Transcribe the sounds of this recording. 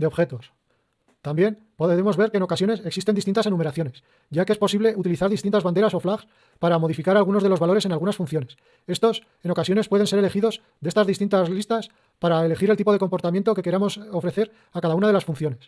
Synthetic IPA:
d̪eoxe̞t̪o̞s | t̪ambje̞n | poðemo̞zβe̞ɾkeːno̞kasjo̞ne̞seksist̪enist̪int̪ase̞nũme̞ɾaθjo̞ne̞s | ɟ͡ʝakeespo̞siβle̞ut̪iliθaɾðist̪inazβand̪eɾaso̞flaɣs | paɾamo̞ð̞ifikaɾalɣuno̞zðelo̞zβalo̞ɾese̞nalɣunasfunθjo̞nes | e̞st̪o̞s | e̞no̞kasjo̞ne̞spwe̞ð̞e̞nseele̞xiðo̞s | ðee̞st̪azðist̪int̪azlist̪as | paɾaele̞xiɾlt̪ipo̞ð̞e̞ko̞mpo̞ɾt̪amje̞nt̪o̞ke̞ke̞ɾamo̞so̞fɾe̞θe̞ɾ | akaðaunaðelasfunθjo̞ne̞s

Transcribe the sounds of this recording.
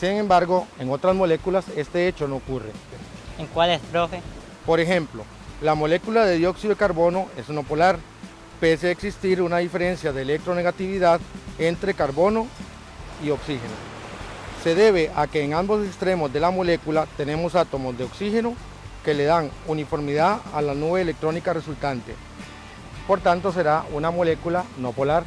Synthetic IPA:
siŋẽ̞mbaɾɣo̞e̞ŋo̞t̪ɾazmo̞le̞kulase̞st̪e̞et͡ʃo̞no̞ːokure̞eŋkwalespɾofe | po̞ɾe̞xe̞mplo̞ | lamo̞le̞kulaðe̞ðjo̞ksiðoikaɾβo̞no̞ʔe̞suno̞polaɾ | peseaeksist̪iɾunaðife̞ɾe̞nsjaðeːlek̚t̪ɾo̞ne̞ɣat̪iβiðaðe̞nt̪ɾe̞kaɾβo̞no̞ | io̞ksixe̞no̰ | se̞ðe̞β̞e̞ʔake̞ːŋambo̞sekst̪ɾe̞mo̞zðe̞lamole̞kulat̪e̞ne̞mo̞sat̪o̞mo̞zd̪eo̞ksixe̞no | ke̞le̞ðaŋunifo̞ɾmiðaðalanuβe̞ːlek̚t̪ɾo̞nikare̞sult̪ant̪e̞̰ | po̞ɾt̪ant̪o̞s̬e̞ɾaunamole̞kulano̞polaɾ

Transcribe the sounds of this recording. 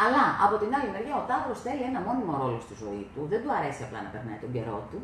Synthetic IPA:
ɐlɐɐpo̞t̪inɐlimeɾʝɐot̪ɐtɾo̞sθe̞lie̞nɐmo̞nimo̞ɾo̞lo̞st̪izo̞̰ḭt̪uðend̪uɐɾe̞siɐplɐ̰nɐpe̞ɾnɐ̰it̪o̞ɲɟe̞̰ɾo̞̰t̪u

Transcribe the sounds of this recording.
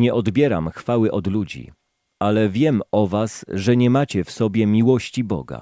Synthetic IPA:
ɲɛʔɔd̪bʲjɛɾa̰mxfawɘʔɔd̪lud͡ʑḭ | alɛvʲjɛmɔvasʐɛɲɛmat͡ɕɛfsɔbʲjɛmʲiwɔɕt͡ɕibɔ̰ɡa̰

